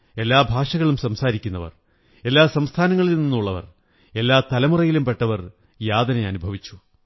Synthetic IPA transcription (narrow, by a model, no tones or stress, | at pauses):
e̞lːaːbʱaːʂɐɣɐɭumsɐmsaːɾikʲːunːɐʋɐ̰r | e̞lːaːsɐmst̪ʰaːnɐŋːɐɭilninːuɭːɐʋɐ̰r | e̞lːaːt̪ɐlɐmurɐjilumpe̞ʈːɐʋɐr | jaːd̪ɐneɐnubʱɐʋit͡ɕːu̥